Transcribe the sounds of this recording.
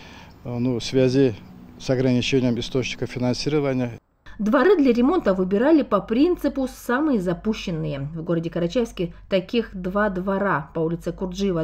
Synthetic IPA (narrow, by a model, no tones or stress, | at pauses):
nufsvʲazʲisɐɡɾɐnʲɪt͡ɕenʲɪjəmɪst̪o̞t͡ɕnʲɪkəfʲɪnansʲiɾɨvənʲɪjə | d̪vɐɾɨd̪lʲɐɾʲɪmo̞nt̪əvɨbʲɪɾalʲɪpɐpɾʲint̪sɨpʊsamɨjəzɐpuɕːɪnːɨjəvɡo̞ɾədʲɪkəɾɐt͡ɕæfsʲkʲɪt̪ɐkʲixd̪vad̪vɐɾapɐulʲɪt̪sɨkʊrd̪ʐɨvə